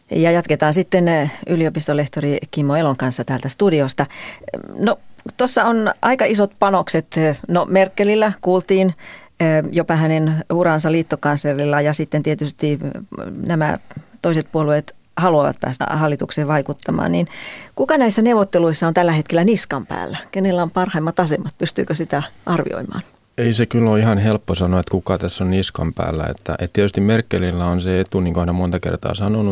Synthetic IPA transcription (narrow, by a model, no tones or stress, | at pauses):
jɑjɑt̪ket̪ɑːnsit̪ːenyliopist̪oleht̪orikimːoeloŋkɑnsːɑt̪æːlt̪æst̪udiost̪ɑ | not̪osːɑonʔɑikɑʔisot̪pɑnokset̪nomerkːelilːækuːlt̪iːnː | jopɑhænenurɑnsɑliːt̪ːokɑnslerilːɑjɑsit̪ːent̪iet̪yst̪i | næmæ̰t̪oiset̪̚puoluet̪ | hɑluɑʋɑ̰t̪̚pæ̰ːst̪æ̰hɑlːit̪ukseːʋʋɑikut̪ːɑmɑ̰ːnninkukɑnæisːænewʋot̪ːeluisːɑont̪ælːæhet̪kelːˑæniskɑmpæ̰ːlːækenelːæompɑrhɑimːɑt̪ɑsemːɑt̪̚pyst̪yːkøsit̪æʔɑrʋḭo̰imɑ̰ːn | eisekylːoihɑnhelpːosɑnoet̪kukɑt̪æsːonniskɑ̰mpæ̰ːlːæ̰ḛt̪ːæ̰ʔḛt̪t̪iet̪yst̪immerkːelilːæonseet̪uniːŋkohænæmont̪ɑkḛrt̪ɑ̰ːsɑnonu